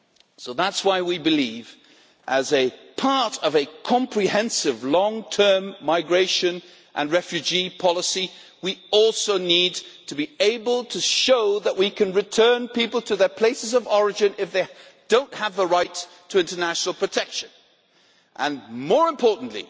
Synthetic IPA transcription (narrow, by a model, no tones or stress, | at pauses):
soʊðætswaɪwibɨliv | ʔɨzɨpʰɑɹɾʌvɨkʰɑ̃mpʰɹ̥ihɛ̃nsɪvlɔ̃ŋtʰɜ̃˞mːaɪɡɹeɪʃɨ̃n | ʔə̰̃nɹɛfjʉd͡ʒipʰɑlˠəsi | wiɔlˠsoʊnidtʰɨbieɪbəlˠtʰɨʃoʊðəʔwikʰɨ̃nɹɨtʰɜ̃˞npipl̩ˠtʰɨðə˞pʰl̥eɪsɨzʌvɔɹɨd͡ʒɨ̃nɪfðeɪ | d̥õʊ̃ntʔhəvðəɹaɪtʰ | ɨɪ̃ntə˞næʃn̩l̩ˠpʰɹ̥ɨtʰɛkʃɨ̃n | ʔə̃nmɔɹɨ̃mpʰɔɹʔn̩ʔlḭ